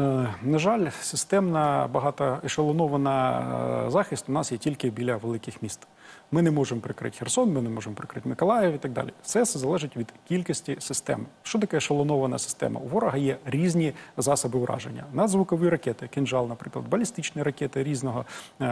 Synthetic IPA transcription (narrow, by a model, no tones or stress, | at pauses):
nɐʒɑlʲsɪst̪ɛmnɐbɐɦɑt̪ɐɪʃɐlˠɐnɔʋɐnɐ | zɑxʲɪsʲt̪ʊnɑsjɛtʲilʲkɪbʲilʲɐʋelˠɪkɪxmʲist̪ | mɪnɛmɔʒemɔpɾɪkɾɪ̰tʲxersɔnmɪnɛmɔʒemɔpɾɪkɾɪtʲmɪkɔlˠɑjewit̪ɐɡ̚d̪ɑ̰lʲisɛsɛzɐlˠɛʒɪtʲʋʲid̪kʲilʲkisʲtʲisɪst̪ɛ̰mʃt͡ʃɔt̪ɐkɛʃɐlˠɐnɔʋɐnɐsɪ̥st̪ɛ̰mɐ̰uʋɔɾɔɦɐjɛɾʲizʲnʲizɑsɐbɪʊɾʔɑ̰ʒḛnʲːɐ̰nɐd̪zʋʊkɔʋiɾɐkʲɛt̪ɪkɪnʒɑlˠnɐpɾɪklˠɐd̪̚bɐlʲist̪ɪt͡ʃnɪjɾɐkʲɛt̪ɪɾʲiznɔɦɔ